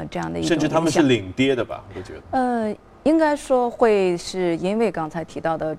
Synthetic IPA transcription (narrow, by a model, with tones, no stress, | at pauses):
ʈ͡ʂɤ˥˧jɑ˥˩ŋd̪ə˩i˧˥ʂə˥˧nʈ͡ʂɻ̩˥˩t̪ʰa˥mə̃˨nʂɕɻ̩˥˩li˨˩ŋt̪jɛ˥d̪ə˨bɐ̰˨o˧˩t͡ɕɥɛ̰˧˥d̪ə˧ | i˥ŋka˥ɪʂwɔ˥xwe˥˧ɪʂɻ̩˥˩i˥nwe˥˩ɪkɑ˥ŋt͡sʰa˧˥ɪt̪ʰi˧˥t̪ɑ˥˩ʊd̪ə˩